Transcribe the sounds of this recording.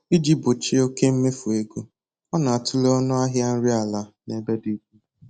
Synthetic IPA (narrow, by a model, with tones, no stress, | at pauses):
i˦d͡ʒi˦bʊ˨t͡ʃi˦o˦ke˦m̩˦me˦fu˨e˦ɡu˦ | ɔ˦na˨a˨tʊ˦le˦ɔ˦nʊ˦a˦ɦja˦n̩˦ɾi˦a˨la˨ne˨be˦di˦ku˦